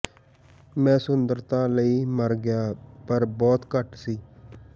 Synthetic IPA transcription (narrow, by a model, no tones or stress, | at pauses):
mɛ̃ːsʊnd̪əɾt̪ãːləiːməɾɡɪjaːpəɾbɔːt̪kəʈsiː